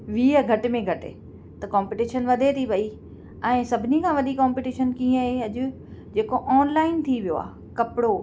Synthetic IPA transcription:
ʋiːəɡʱɐʈɪ̆mẽɡʱɐʈɪ̰ | t̪ɐkãːmpiːʈiːʃənʋɐd̪ʱet̪ʰibɐi | ɛ̃ːsɐbʱɪnikʰãːʋɐɗ̪ikãːmpiːʈiːʃənkĩːə̃ɦeɐʄʊ̆ | d͡ʑeːkoʔɔːnlaːɪnt̪ʰiʋijo̰a̰ː | kɐpɪɽo

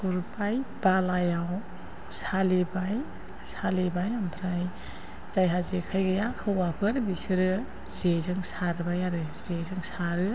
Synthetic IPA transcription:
puɾpajb̥alajaw | salibaj | salibajampʰɾaj | zajɦazekʰajɡajahʰɯwwapʰɯɾbisɯɾɯ | z̥ezɯŋsaɾbajaɾɯzezɯŋsaɾɯ

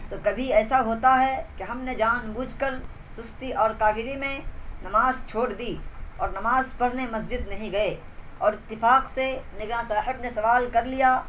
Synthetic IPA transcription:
t̪oːkɐbʱiɛːsaɦoːt̪aɦɛkeɦɐmned͡ʒaːnbuːd͡ʒkəɾ | sʊst̪iʔɔːɾkaːɡɪɾimẽnɐmaːzt͡ʃʰoːɽd̪iɔːɾnɐmaːzpɐɽnemɐs̬d͡ʒɪd̪nɐɦĩɡɐe | ɔːɾɪt̪ːɪfaːqsenɪɡɾãsɛːɦɪbnesɐʋaːlkɐɾlijaː

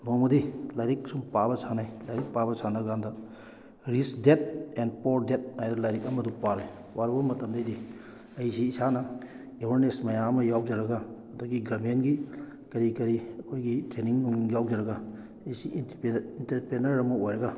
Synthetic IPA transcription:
nɔmɐdilajɾik̚sumpabɐsʰanajlajɾik̚pabɐsʰanaɡandɐ | ɾisdet̚ɛnpɔɾdet̚ajdɐlajɾikɐmɐdupaɾaj | waɾubɐmɐtɐmdɐjdi | ɐjsiːsanɐ | ewɐɾnesmɐjamɐjaw̚d͡ʒaɾɐɡaɐdɔɡiɡaɾmenɡi | kɐɾikɐɾiɐkʰojɡitɾeniŋnuŋjaw̚d͡ʒaɾɐɡa | ɐjsiinintɐɾpenɐɾɐmɐojɾɐɡa

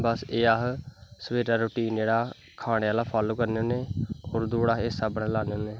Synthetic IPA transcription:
bəseːaːɦsəʋeːɾaːɾoːʈiːnd͡ʒeːɽaː | kʰaːɽeaːlaːpʰaːloːkəɾneoːneːoːɾd̪oːɽaːɦeːsaːbəɽẽːlaːneoːneː

